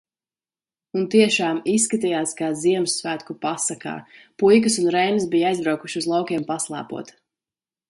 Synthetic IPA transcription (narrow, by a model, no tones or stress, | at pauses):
unt̪iɛʃaːmisːkat̪ijaːskaːziɛmsːvæːt̪kupasaka̰ːpujk̬ɨsunɾɛjnɨsbijajzbɾawkuʃiuzlˠawkʲiɛmpaslˠa̰ːpṵɔt̪